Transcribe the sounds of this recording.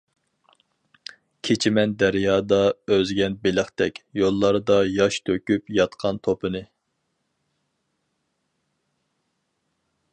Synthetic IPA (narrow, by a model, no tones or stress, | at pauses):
kʲʰet͡ʃʰimɛnd̪æɾjɑːd̪ɑøzɡʲɛnbelɪχt̪ɛkʲjolˠːɑɾɨd̪ɑjɑʃt̪ʰøkʲypjɑt̪qʰɑnt̪ʰopʰɨnɨ